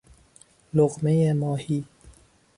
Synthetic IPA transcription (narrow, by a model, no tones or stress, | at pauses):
loɣmejemɒːhiː